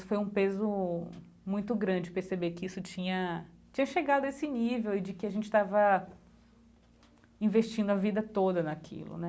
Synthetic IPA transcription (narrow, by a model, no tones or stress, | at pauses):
sʊ̥fojũpezʊ | mũj̃t̪ʊɡɾɐ̃d͡ʒɪpeɾsebekɪisʊt͡ʃĩɲɐ | t͡ʃĩɲɐʃeɡad̪ʊɐesɪnivewɪd͡ʒɪkɪaʒẽnt͡ʃɪ̥st̪avɐ | ĩveʃt͡ʃĩnd̪ʊɐvid̪ɐt̪od̪ɐnɐkʰḭlʊ̰nɛ